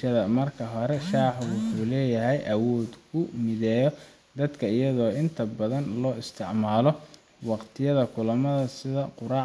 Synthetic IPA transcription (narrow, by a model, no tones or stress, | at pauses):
ɐðɐmɐrkʰɐɦɔɾɛʃaːħwʊħuːlɛːjɐɦɛjʔɐwɔːd̪ʊmɪðɛːjɔ | d̪ɐd̪kʰɐɪjɐðɔːɪnt̪ʰɐbɐðɐnlɔːɪst̪ʰɪʕmaːlɔ | wɑqt̪ʰɪjɐðɐkʰʊlɐmɐðɐsɪðɐqʊɾɑː